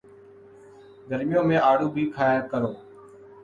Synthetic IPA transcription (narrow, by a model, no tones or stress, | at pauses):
ɡ̪əɾmɪjõːmẽːaːɽuːbʱiːkʰaːjəɾkəɾoː